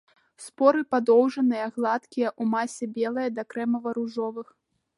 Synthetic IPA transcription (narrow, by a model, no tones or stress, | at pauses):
spɔɾɨpad̪ɔwʐɐnɨjɐɣlˠat̪kʲijɐʔumasʲɛbʲɛlˠɐjɐd̪ɐkɾɛmɐvɐɾuʐɔvɨx